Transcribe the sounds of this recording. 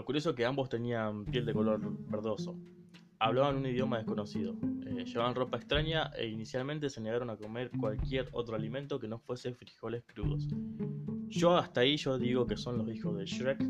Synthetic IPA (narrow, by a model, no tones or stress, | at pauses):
kuɾjo̞soke̞ambo̞st̪e̞niampje̞ld̪eko̞lo̞ɾβeɾð̞o̞so̞ | aβlaβanunið̞jo̞mað̞ehko̞no̞sið̞o̞eʃeβaβanro̞paekst̪ɾaɲaʔḛinisjalment̪e̞seneɣaɾo̞nako̞meɾkwalkje̞ɾo̞̰t̪ɾoalimẽ̞nt̪o̞ke̞no̞fwe̞se̞fɾixo̞lehkɾuðo̞̰s | ʃo̞aht̪aiʒo̞ðiɣo̞ke̞so̞nlo̞sixo̞zðe̞ʃɾek